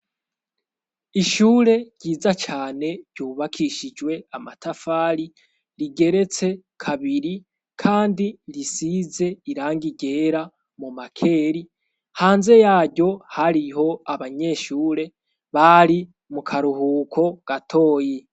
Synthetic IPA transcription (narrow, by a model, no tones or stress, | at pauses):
iʃuːɾe̞ɟɟiːzat͡ʃaːne̞ɾɟuːβakʰiʃid͡ʒwe̞amatʰafaːɾi | ɾiɡe̞ɾe̞t͡se̞ | kʰaβiɾi | kʰaːndiɾisize̞iɾaːŋɡiɡe̞ːɾa | mumakʰe̞ːɾi | haːnze̞jaːɾɟo̞haɾiɦo̞aβaɲe̞ːʃuːɾe̞ | βaɾi | mukʰaɾuhuːkʰo̞ɡ̥atʰo̞ːje